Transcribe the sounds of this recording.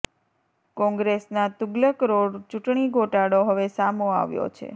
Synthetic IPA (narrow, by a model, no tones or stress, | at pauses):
kɔ̃ŋɡɾesnat̪uɡləkɾoɽt͡ʃuʈɳiɡʱoʈaɽoɦəʋesamoa̰ʋjo̰t͡ʃʰḛ